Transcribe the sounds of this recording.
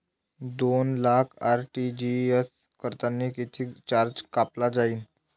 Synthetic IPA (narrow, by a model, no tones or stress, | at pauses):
d̪onlakʰaɾʈid͡ʑies | kəɾt̪anːiːkit̪ʰiːt͡ɕaɾd͡ʑkaplad͡zaiːn